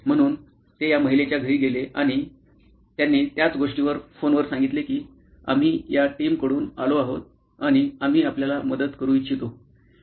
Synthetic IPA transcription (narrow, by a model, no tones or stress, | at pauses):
m̤əɽ̃uːn | t̪ejaməɦilet͡ɕjaɡʱəɾiːɡeleʔaɽ̃i | t̪janːiːt̪jat͡sɡoʂʈiʋəɾfonʋəɾsãŋɡit̪lekiː | a̰m̤iːjaʈiːmkəɽuːnaloaɦot̪̚ | aɽ̃iam̤iːapljalaməd̪ət̪kəɾuːit̪ɕʰit̪o